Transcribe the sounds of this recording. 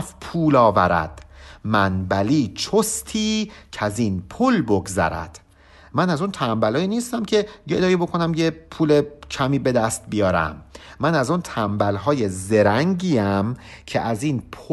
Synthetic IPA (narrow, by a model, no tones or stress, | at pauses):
fpʰuːlɒːvæɾæ̰d̪̥mænbæliːt͡ʃʰost̪ʰiːcʰæzinpʰulboɡzæ̰ɾæ̰d̪̥ | mænæzunt̪ʰæmbælɒːjiːniːst̪æmcʰe̞jed̪ɒːjiːbo̞kʰo̞næmjepʰuːlecʰæmiːbe̞d̪æst̪̚bijɒːɾæ̰mːænæzunt̪ʰæmbælɦɒːjeze̞ɾæŋɟiːæmcʰeʔæziːnpʰ